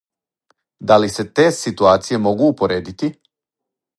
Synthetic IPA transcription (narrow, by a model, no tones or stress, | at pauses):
d̪alise̞t̪e̞ːsit̪uaːt̪sije̞mo̞ɡuːpoɾeːd̪it̪i